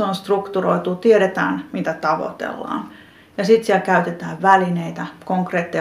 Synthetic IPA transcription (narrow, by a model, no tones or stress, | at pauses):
onst̪rukt̪uroit̪uːt̪ieɾet̪æ̰ːnmit̪æt̪ɑʋo̰t̪ḛlːɑ̰ːn | jɑsit̪sielkæyt̪et̪æːʋʋælineit̪ækoŋkreːt̪ːi